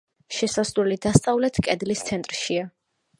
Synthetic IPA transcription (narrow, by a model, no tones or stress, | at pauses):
ʃɛsasɾulid̪ast̪sʼavlɛt̪ʰkʼɛd̪list̪sʰɛnt̪ʼɾʃia